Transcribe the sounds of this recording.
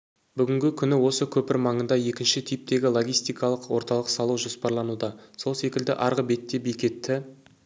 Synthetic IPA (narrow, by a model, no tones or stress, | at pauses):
bʏɡʲɪŋɡʲɪkʲʰʏnɪwo̞səkʲʰɵpɪɾmɑɴənd̪ɑje̞kʲɪnʃɪt̪ʰijp̚t̪e̞ɡʲɪlˠo̞ɡʲijst̪ijkɑlˠəqwo̞ɾt̪ɑlˠəqsɑlˠuwʒo̞spɑɾlˠɑnud̪ɑso̞lˠse̞kʲɪld̪ɪ̰ʔɑɾʁəbe̞t̪ːe̞bejkʲe̞t̪ːɪ